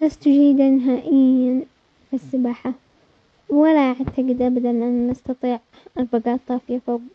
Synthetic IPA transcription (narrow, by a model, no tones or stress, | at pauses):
last̪ʊd͡ʒiːd̪anɪɦaːʔɪjːan | fisːɪbaːħa | wɪlaʔaʕt̪aɡɪd̪ʔabad̪alʔanːɑst̪ɑt̪ˤiːʕ | ʔɑɾˤbaɡaːt̪ˤːɑːfjafa